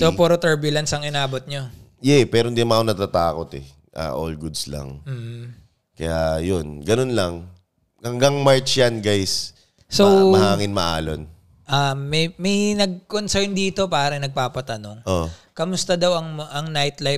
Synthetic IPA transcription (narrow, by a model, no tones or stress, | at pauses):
t̪opoːɾot̪ɛɹbjʊlɐnsɐŋɪnaːbot̪̚ɲojɛpɛːɾoɪnd̪imɐakonɐt̪at̪aːkot̪ɛ̰ | ʔa̰ʔolɡud̪slɐ̰ŋm̩ːh̩ | kɐjajonɡɐnonlɐŋ | hɐŋɡɐŋmaɹt͡ʃjanɡajsː | owmɐhaːŋɪnmɐʔa̰ːlo̰n | ʔamɐjmɐjnɐɡ̚konsojnd̪iːt̪o̞paːɾɐŋnɐɡ̚paːpɐt̪ɐno̞ŋʔoʔkɐmʊst̪ɐd̪ɐwɐŋʔɐŋnajt̪laj